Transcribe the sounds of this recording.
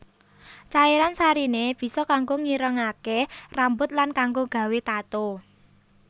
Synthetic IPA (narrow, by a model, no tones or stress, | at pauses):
t͡ʃaeɾansaɾineb̥i̤sɔkaŋɡoŋiɾəŋakerambʊt̪̚lankaŋɡoɡ̥a̤wet̪at̪o